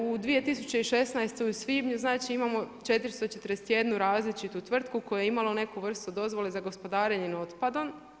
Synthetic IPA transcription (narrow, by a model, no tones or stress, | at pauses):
ud̪ʋije̞t̪isu̥t͡ɕe̞iʃe̞snajst̪euusʋiːbɲuznaːt͡ʃiimamo̞t͡ʃe̞t̪iɾist̪ot͡ʃe̞t̪ɾdeset̪je̞d̪nuɾaːzlit͡ʃit̪ut̪ʋr̩t̪̚kuko̞jjeimalo̞ne̞kuʋr̩st̪ud̪o̞zʋo̞lezaɡo̞spo̞d̪aːɾeɲeno̞t̪pad̪o̞n